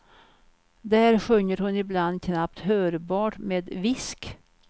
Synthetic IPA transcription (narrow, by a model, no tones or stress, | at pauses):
d̪æːɾɧɵŋːəɾhɵnɪbland̪kʰnap̚t̪høːɾbɑːʈmeːd̪vɪsk